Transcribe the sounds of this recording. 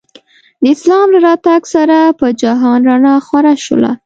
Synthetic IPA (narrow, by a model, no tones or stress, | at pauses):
d̪əɪslɑmɾaɾɑt̪aɡsaɾapəd͡ʒaɦɑnɾanɑxwaɾaʃə̰la̰